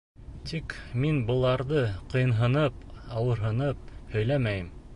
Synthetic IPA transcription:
t̪ʰikminbɤ̆lˠɑɾðɤqɤ̆jɤ̆nɦɤ̆nɤpɑwɤ̆ɾɦɤ̆nɤp̚hɵ̆jlæmæjɘm

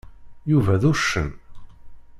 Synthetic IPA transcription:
juvæðuʃə̰n

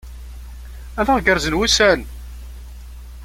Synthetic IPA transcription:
æðæʁɡəɾzənwusæn

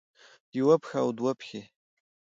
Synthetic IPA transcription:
jwɐpxaːwd̪wapʰxʲe

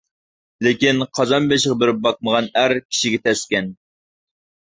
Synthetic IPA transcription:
lekʲinqʰɑzɑnbeʃʁɑbɪɾɪp̚bɑq̚məʁɑnæɾkʲʰi̥ʃiɡʲɛt̪ʰɛskʲɛn

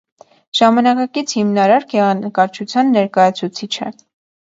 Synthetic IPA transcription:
ʒ̥ɑmɑnɑkɑkit͡sʰhimnɑɾɑɾɡɛʁɑnəkɑɾt͡ʃʰut͡sʰjɑnːɛɾkɑjɑt͡sʰut͡sʰit͡ʃʰɛ

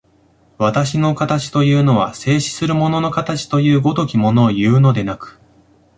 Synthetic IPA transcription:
βat̪aɕino̞kat̪at͡ɕi̥t̪o̞jɯ̟ːno̞β̞ase̞ːɕi̥sɨɾɯ̟mo̞no̞no̞kat̪at͡ɕi̥t̪o̞jɯ̟ːɡo̞t̪o̞kʲimo̞no̞ːjɯ̟ːno̞d̪e̞nakɯ̟̥

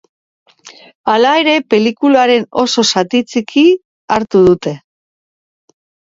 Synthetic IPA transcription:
alae̞ɾe̞pe̞likulaɾe̞no̞so̞sat̪it͡sikʰi | aɾt̪uðut̪e̞

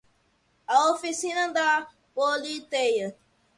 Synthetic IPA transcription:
aofisinãd̪a | bolit̪ejə

